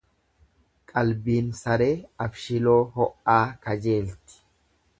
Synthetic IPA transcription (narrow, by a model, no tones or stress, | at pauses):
kʼɐlbiːnsɐɾe̞ːɐfʃɪlo̞ːɦɔʔːaːkɐd͡ʒe̞ːlt̪ɪ̥